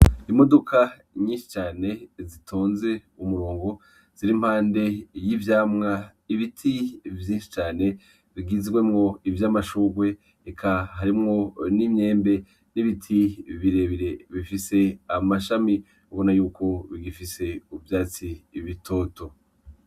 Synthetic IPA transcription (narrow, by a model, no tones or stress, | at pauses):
imo̞dokʰa | ɲiːnʃi̥t͡ʃaːne̞zitʰoːnze̞umuɾoːŋɡo̞ | z̥iɾim̥haːnde̞jivjaːmŋa | iβitʰivjiːnʃi̥t͡ʃaːne̞ | βiɡizɡwe̞mŋo̞ivjaːmaʃuːɡwe̞ | ekʰaɦaɾimŋo̞nimɲe̞ːmbe̞ | niβitʰiβiɾe̞βiɾe̞βifise̞amaʃami | uβonajuːko̞βiɡifise̞ubjaːt͡siːβitʰo̞ːto̞